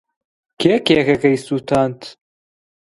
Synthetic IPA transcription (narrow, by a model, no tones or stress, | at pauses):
kʰeːkekɐkɐjsuːt̪ʰaːnt̪